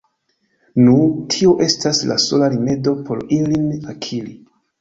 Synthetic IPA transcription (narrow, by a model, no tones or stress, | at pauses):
nutʰio̞ʔe̞stasla̰so̞laɾime̞do̞pʰo̞ɾilinakʰili